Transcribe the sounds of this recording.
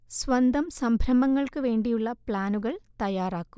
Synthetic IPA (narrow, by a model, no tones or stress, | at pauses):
sʋɐnd̪ɐmsɐmbʱɾɐmɐŋːɐɭkɨʋe̞ːɳɖijuɭːɐpɭaːnuɣɐɭt̪ɐjaːraːkːum